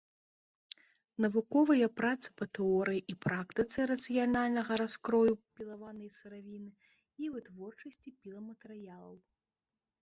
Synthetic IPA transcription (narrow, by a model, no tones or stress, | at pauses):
nɐvukɔvɐjɐpɾat̪sɨ̥pɐt̪ɛɔɾɨjiʔipɾakt̪ɨt̪sɨɾɐt̪sɨjalʲnalʲnɐɣɐɾaskɾɔjupʲilˠavanɐjsɨɾavʲinɨ | ivɨt̪vɔrt͡ʂɐsʲt͡sʲipʲilˠɐmɐt̪ɛɾɨjalˠɐw